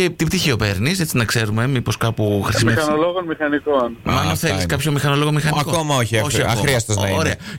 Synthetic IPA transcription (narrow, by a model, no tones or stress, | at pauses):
et̪ip̚t̪içio̞pe̞ɾnise̞t͡sinɐkse̞ɾume̞mipo̞skɐpuxɾissimiɐɐnoloɣonmixɐnikonmɐnoθeliskɐpço̞mixɐnolo̞ɣomixɐnikokomɐoçiɐoçɐɾiɐst̪eznɐioɾeɐ